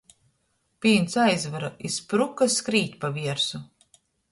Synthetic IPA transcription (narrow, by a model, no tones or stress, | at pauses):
pʲiːnt̪sajzvaɾaispɾukaskɾiːt̪ʲpaviɛɾsu